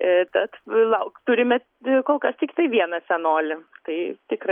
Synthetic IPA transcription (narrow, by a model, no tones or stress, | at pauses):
t̪ɐt̪lˠɐʊkt̪ʊɾʲɪmʲɛt | koːlˠkɐst̪ʲɪkʲɪt̪ɐɪʋʲiɛnɐsʲɛnoːlʲɪt̪ɐɪt̪ʲɪkrɐ